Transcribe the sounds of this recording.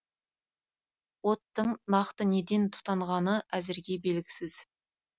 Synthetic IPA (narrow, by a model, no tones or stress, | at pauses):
wo̞t̪ːəɴnɑqt̪əne̞d̪e̞nt̪ʰʊ̥t̪ɑɴʁɑnəʔæzɪɾɡʲe̞be̞lɡʲɪ̥sɪz̥